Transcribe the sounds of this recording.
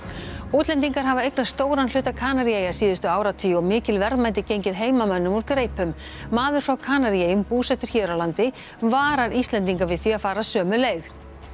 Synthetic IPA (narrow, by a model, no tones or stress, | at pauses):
uːt̪lɛnt̪iŋkaɾ̥ɦavaejknḁst̪oːwɾanl̥ʏːt̪akʰaːnaɾiejasiːðʏst̪ʏaːwɾat̪ʰiɔɣmɪːcɪlvɛɾðmajt̪̬ɪcejɲcɪðɦeːjmamœnːʏmɔɾkɾeːjpʏmː | aːðʏɾ̥fɾawkʰaːnaɾiejʏmpuːsɛht̪ʏɾ̥çɛːɾawlant̪ɪ | vaːɾaɾist̪lɛnt̪iŋkavɪðθiaðfaːɾasœːmʏleːjð